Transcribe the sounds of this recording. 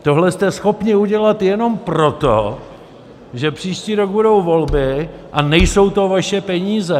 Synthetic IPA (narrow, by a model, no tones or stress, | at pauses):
t̪o̞ɦlɛst̪ɛsxo̞pɲɪuɟɛlat̪jɛno̞mpɾo̞t̪o̰ | ʒɛpr̝̥iːʃciːɾoɡ̚budo̞wvo̞lbɪʔanɛjso̞wt̪o̞vaʃɛpɛɲiːzɛ